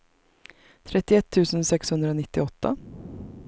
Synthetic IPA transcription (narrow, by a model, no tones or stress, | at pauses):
t̪ʰɾɛt̪ːɪɛt̪ʰːʉːsənsɛkshɵnd̪ɾəoːnɪt̪ːɪɔt̪ːa̰